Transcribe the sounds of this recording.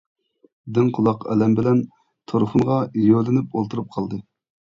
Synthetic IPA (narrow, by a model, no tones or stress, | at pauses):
d̪ɪŋqʰʊlˠɑqɛ̰lɛmbɪlɛn | t̪ʰoɾχʊnʁɑjølɪnypolˠt̪ʰuɾup̚qʰɑlˠd̪ɨ